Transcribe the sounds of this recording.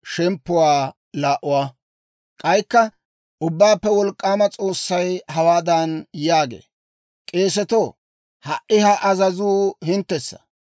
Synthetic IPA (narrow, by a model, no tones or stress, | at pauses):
ʃɛmpːʊwaː | laːʔʊwaː | kʼɐjkːɐ | ʔʊbːaːpːɛwɔlkʼːaːmɐt͡sʼo̞ːsːɐjhɐwaːd̪ɐnjaːɡḛː | kʼe̞ːs̬ɛt̪oː | hɐʔɪhɐʔɐzɐzuːhɪnt̪ːɛsːɐ̥